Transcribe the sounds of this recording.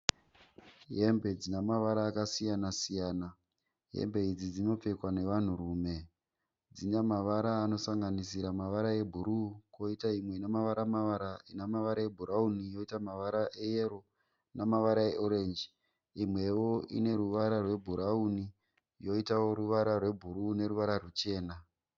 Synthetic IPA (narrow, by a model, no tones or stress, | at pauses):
ɦe̞mbe̞d͡zinamaʋaɾaːkasijanasijaːna | ɦḛmbe̞id͡zid͡zino̞p͡fe̞kwane̞ʋan̤uruːme̞ | d͡zinamaʋaɾaːno̞saŋɡanisiɾamaʋaɾae̞bʱuɾukoitaimwe̞inamaʋaɾamaʋaɾainamaʋaɾae̞bʱuɾaunijo̞itamaʋaɾaʔejeɾo | namaʋaɾaeʔoɾe̞nd͡ʒi | imwe̞wo̞ḭne̞ɾuʋaɾarwe̞bʱuɾauni | jo̞itawo̞ɾuʋaɾarwe̞bʱuɾune̞ɾuʋaɾarut͡ʃe̞ːna